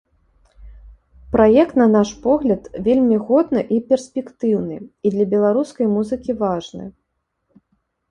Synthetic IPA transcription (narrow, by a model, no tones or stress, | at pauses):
pɾajɛkt̪nɐnaʂpɔɣlʲɐt̪vʲelʲmʲiɣɔd̪nɨʔipʲɛrsʲpʲɛkt̪ɨwnɨid̪lʲɐbʲɛlˠaɾuskɐjmuzɨkʲivaʐnɨ̰